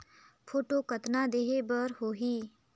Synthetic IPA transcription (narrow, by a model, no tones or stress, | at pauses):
pʰoːʈokət̪nad̪eːɦebəɾɦoːɦiː